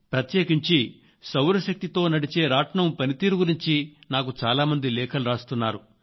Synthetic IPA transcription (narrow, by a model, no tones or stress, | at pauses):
pɾɐt̪jeːkiɲt͡ʃi | sɐwɾɐʃɐk̚t̪it̪o̞ːnɐɽit͡ʃe̞ːɾaːʈɳɐmpɐnit̪iːɾuɡuɾiɲt͡ʃinaːk̬ut͡ʃaːlaːmɐnd̪ilɛːkʰɐluɾaːst̪unːaːɾu